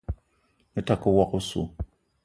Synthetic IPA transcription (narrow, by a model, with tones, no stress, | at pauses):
e˦ta˨ku˦wɔ˦ku˦sṵ˨